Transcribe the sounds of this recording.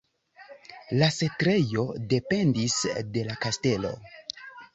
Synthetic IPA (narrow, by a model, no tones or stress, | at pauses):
lase̞tɾe̞jo̞de̞pe̞ndisde̞lakaste̞lo̞̰